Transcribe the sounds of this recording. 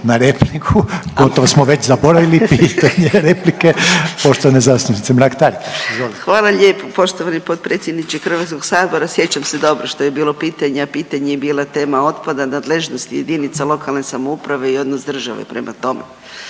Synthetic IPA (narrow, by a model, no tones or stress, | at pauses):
naɾeplikʰuɡo̞t̪oʋosmoʋe̞t͡ɕzabo̞ɾaʋilipiːt̪aɲeɾeplikepoʃt̪oʋanezasnunit̪emɾakt̪aɾizʋolixʋaːlˠaʎeːpopo̞ʃt̪oʋanipo̞t̪̚pɾe̞t̪sʲjed̪nit͡ʃekxr̩ʋat̪sko̞ɡsaːd̪bo̞ɾasje̞t͡ɕamse̞d̪o̞bɾoʃt̪o̞jebiːlˠo̞piːt̪aɲeapiːt̪aɲejebiːlˠat̪e̞ːmao̞t̪pad̪anaːd̪leʒno̞st̪ije̞d̪init̪salˠo̞kalˠne̞samoupɾaʋe̞io̞d̪nosd̪r̩ʒaʋḛpɾe̞mʔa̰t̪o̞me